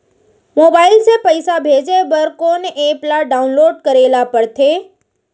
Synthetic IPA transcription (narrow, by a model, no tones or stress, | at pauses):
moːbaːɪilsepəjsabʱeːd͡ʒebəɾkoneplaɖaːʊnloːɖ̚kəɾeːlapəɽt̪ʰeː